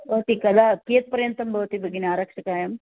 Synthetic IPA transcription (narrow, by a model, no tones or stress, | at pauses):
ot̪ikɐd̪ʱakijɐt̪̚pɐɾjɐnt̪ɐmbʱɐʋt̪ibʱɐɡinaːɾɐkʂɐkaːjɐm